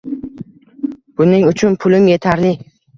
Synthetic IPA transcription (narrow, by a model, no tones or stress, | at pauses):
b̥ʊnɪŋʊt͡ʃʰʊnpʰʊlɪmje̞t̪ʰaɾlɪ